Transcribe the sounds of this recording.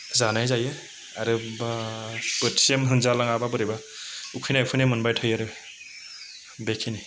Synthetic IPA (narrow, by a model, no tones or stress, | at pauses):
zanajzaje | aɾɯb | pɯti̥siamɦɯnzalaŋababɯɾeba | ukʰɯjnajukʰɯnamɯnbajtʰɯjaɾɯ | bekʰini